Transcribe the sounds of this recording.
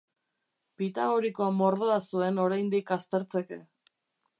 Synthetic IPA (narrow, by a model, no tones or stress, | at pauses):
pit̪aɣoɾiko̞amo̞ɾðoasue̞no̞ɾajnd̪ikast̪e̞ɾt͡se̞ke̞̰